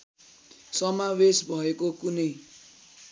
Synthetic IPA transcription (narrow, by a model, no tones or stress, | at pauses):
sʌmawesbʱʌekokunʌj